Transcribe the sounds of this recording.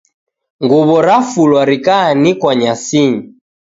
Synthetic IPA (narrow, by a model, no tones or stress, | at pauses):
ŋɡuβɔɾafulwaɾikaːnikwaɲasiɲi